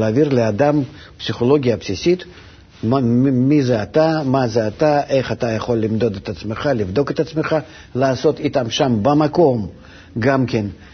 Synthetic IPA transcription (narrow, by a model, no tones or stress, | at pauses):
aːvʲirlʲɪad̪am | psʲiχolo̞ɡʲijɐpsʲisʲit̪ | mmʲizɛat̪amazɛat̪aʔeχat̪ajɐχo̞lʲːɪmd̪o̞d̪et̪at̪smeχalʲɪvd̪o̞ket̪at̪smeχa | laːso̞t̪it̪amʃambɐmako̞m | ɡamkʲen